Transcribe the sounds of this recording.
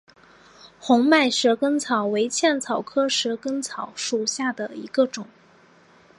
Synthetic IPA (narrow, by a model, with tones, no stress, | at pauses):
xʊ˧˥ŋma˥˩ɪʂɻ̩˧˥kə˥nt͡sʰɑ˨˩ʊwe˧˥ɪt͡ɕʰjɛ˥˩nt͡sʰɑ˨˩ʊkʰɤ˥ʂɻ̩˧˥kə˥ŋt͡sʰɑ˨˩˦ʊʂu˨˩ɕja˥˩d̪ə˩i˧˥ɡə˧ʈ͡ʂʊ˨˩˦ŋ